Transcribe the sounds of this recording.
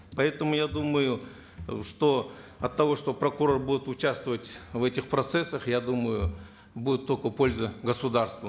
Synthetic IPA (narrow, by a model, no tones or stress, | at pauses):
pɐɛt̪əmʊjad̪uməjʊ | ʂt̪o̞ɐt̪ːɐvo̞ʂt̪o̞pɾəkʊɾo̞rbudʲɪt̪ʊt͡ɕast̪vəvətʲvɛtʲɪxpɾɐt̪sɛsːəxjad̪uməjʊ | budʲɪt̪ːolʲkəpo̞lʲzɨɡəsʊd̪arst̪və